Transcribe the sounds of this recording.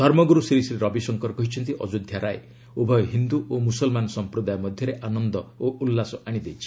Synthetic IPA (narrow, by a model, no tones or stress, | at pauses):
d̪ʱɔɾmɔɡuɾusiɾisɾeɾɔbisɔŋkɔɾɔkɔɦit͡ʃʰɔnt̪iʔɔd͡ʒud̪ʱjaɾae | ubʱɔjɔɦind̪uʔomusɔlmanɔsɔmpɾɔd̪ajɔmɔd̪ʱjɔɾeʔanɔnd̪ɔoʔulːasɔʔaɽ̃id̪ejt͡ʃʰi̥